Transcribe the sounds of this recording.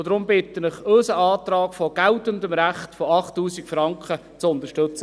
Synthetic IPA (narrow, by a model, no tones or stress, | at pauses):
d̥̪ɾʊmbɪt̪ənɪχøsəɑːt̪ɾɑːɡfɔɡ̥æltəndəmɾæχtfɔɑχtːuːsikfɾɑŋkχə | t͡sʊnt̪əʃtɵt͡sə